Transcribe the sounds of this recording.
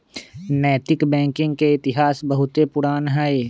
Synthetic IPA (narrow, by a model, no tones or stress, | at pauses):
nɛːt̪ɪkbɛ̃ːŋkɪ̃ŋɡkeɪt̪ɪɦaːsbɐɦʊt̪epʊɾaːnɦɛe